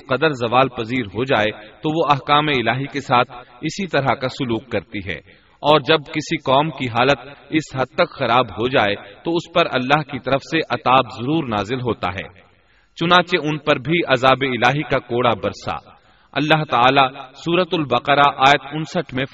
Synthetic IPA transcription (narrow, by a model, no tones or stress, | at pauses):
qɐd̪əɾzɐʋaːlpɐziːɾɦod͡ʒaːet̪oʋoɐɦkaːmeɪlaːɦikesaːt̪ʰɪsit̪ɐɾakasʊluːqːɐɾt̪iɦɛ̰ː | ɔːɾd͡ʒɐb̚kɪsikɔːmkiɦaːlət̪ɪsɦɐd̪̚t̪ɐkxɐɾaːbɦod͡ʒaːet̪oʊspɐɾɐ̰lːaːɦkit̪ɐɾəfseʔɐt̪aːbzɐɾuːɾnaːzɪlɦoːt̪a̰ɦɛ̰ː | t͡ʃʊnãːt͡ʃeʊnpɐɾbʱiʔɐzaːbeɪlaːɦikakoːɽabɐɾsa̰ː | ɐ̰lːaɦt̪aaːlasuːɾət̪ʊlbɐqəɾaʔaːjət̪ʊnsəʈʰmẽ